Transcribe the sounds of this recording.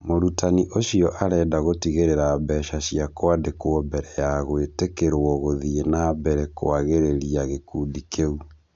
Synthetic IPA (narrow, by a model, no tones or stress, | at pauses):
moɾutaniʔoɕijɔʔaɾɛːdaɣotiɣeɾeɾaːbɛʃaɕiakoadekwɔmbɛɾɛjaɣoetekeɾwɔɣoðienabɛɾɛko̰aɣeɾeɾiaɣekudikʰeu